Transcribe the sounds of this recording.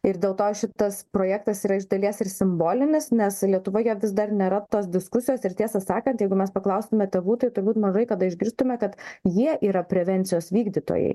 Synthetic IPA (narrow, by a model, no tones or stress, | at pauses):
ɪɾd̪ʲeːlˠt̪oːʃʲɪt̪ɐspɾoːjæːk̚t̪ɐsiːɾɐɪʒd̪ɐlʲiɛsɪɾsʲɪmboːlʲɪnʲɪsnʲɛslʲiɛt̪ʊʋoːjɛʋʲɪzd̪ɐrnʲeːɾɐt̪oːs̬d̪ʲɪskʊsʲɪjoːsɪɾt̪ʲiɛsɐsɑːkɐnt̪jɛɪɡʊmʲɛspɐklˠɐʊsʲt̪ʊmʲɛt̪ʲɛʋuːt̪ɐɪt̪ʊɾbuːt̪mɐʒɐɪkɐd̪ɐɪʒʲɡʲɪɾst̪ʊmʲɛkɐt̪jiɛʔiːɾɐpʲɾʲɛʋʲɛnʲt̪sʲɪjoːsʋʲiːɡd̪ʲiːt̪o̰ːjɛ̰ɪ